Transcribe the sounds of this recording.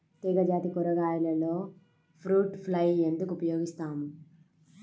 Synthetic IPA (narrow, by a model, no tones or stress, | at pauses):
t̪iːɡɐd͡ʒaːt̪ikɔɾɐɡaːjulɐlo̞ː | pʰɾuːʈpʰlɐje̞nd̪ukuupɐjoːɡist̪aːmu